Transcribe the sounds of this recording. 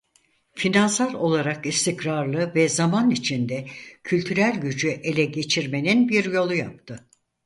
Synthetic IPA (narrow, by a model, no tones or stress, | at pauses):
finansaɾo̞lˠaɾakist̪ʰicɾaɾlˠɯvɛzamanit͡ʃʰind̪ɛcʰylʲt̪ʰyɾælʲɟyd͡ʒyʔe̞lʲɛɟe̞t͡ʃʰiɾme̞ninbiɾjo̞lˠujap̚t̪ʰɯ